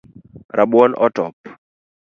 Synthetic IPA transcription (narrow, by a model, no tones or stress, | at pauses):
ɾaɓwɔnʔɔtɔp